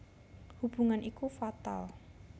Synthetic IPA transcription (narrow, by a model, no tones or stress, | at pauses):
hub̥uŋanʔikufat̪a̰l